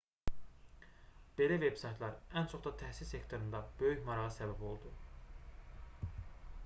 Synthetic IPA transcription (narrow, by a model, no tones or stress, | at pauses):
b̥e̞læve̞b̥sɑjt̪ʰlˠɑɾænt͡ʃʰo̞χd̪ɑt̪ʰæhsissːe̞kt̪ʰo̞ɾund̪ɑbøjyçmɑɾɑʁɯsæbæbo̞lˠd̪u